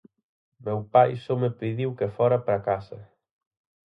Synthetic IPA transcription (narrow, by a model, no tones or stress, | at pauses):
mɛwpajsomepiðiwkefɔɾapɾakasa